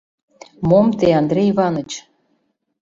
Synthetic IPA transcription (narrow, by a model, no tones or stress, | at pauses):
momt̪eɑnd̪ɾʲejβɑnɤ̆t͡ɕ